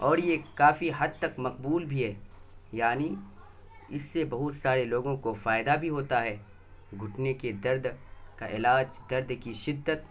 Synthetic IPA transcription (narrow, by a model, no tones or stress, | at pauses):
ɔːɾjekaːfiɦɐd̪̚t̪ɐkmɐqbuːlbʱiɦɛːjaːni | ɪsːebɐɦʊt̪saːɾeloːɡõkofaːɪd̪abʱiɦoːt̪aɦɛː | ɡʱʊʈʰneked̪ɐɾd̪kaʔɪlaːd͡ʒd̪ɐɾd̪kiʃɪd̪ːət̪